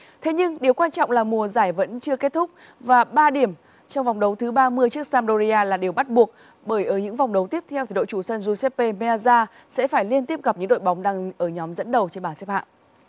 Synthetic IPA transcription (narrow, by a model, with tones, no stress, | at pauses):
t̪ʰe˨˦ɲɨ˧ŋɗi˨˩əwkwaː˧nt͡ɕɔ̰˧˨wŋ͡mlaː˨˩mu˨˩əzaː˧˩jvə̰˧˥nt͡ɕɨ˧əke˦˥t̚t̪ʰʊ˦˥k͡p̚ | vaː˨˩ɓaː˧ɗi˧˩əm | t͡ɕɔ˧wŋ͡mva˨˩wŋ͡mɗə˨˦wt̪ʰɨ˨˦ɓaː˧mɨ˧əjt͡ɕɨ˦˥ək̚saː˧mɗo˧zi˧ʔaː˧laː˨˩ɗi˨˩əwɓa˦˥t̚ɓu˨˩ək̚ | ɓəː˧˩jʔəː˧˩ɲɨ̰˧˥ŋva˨˩wŋ͡mɗə˨˦wt̪i˦˥əp̚t̪ʰɛ˧wt̪ʰi˨˦o̰˧˨t͡ɕu˧˩sə˧nzu˧sɛ˦˥p̚pe˧me˧ʔa˧zaː˧ | sɛ̰˧˥faː˧˩jli˧ənt̪i˦˥əp̚ɣa˨˩p̚ɲɨ̰˧˥ŋɗo̰˧˨jɓa˨˦wŋ͡mɗaː˧ŋʔəː˧˩ɲɔ˨˦mzə̰˧˥nɗə˨˩wt͡ɕe˧nɓaː˧˩sɛ˦˥p̚ha̰ː˧˨ʔ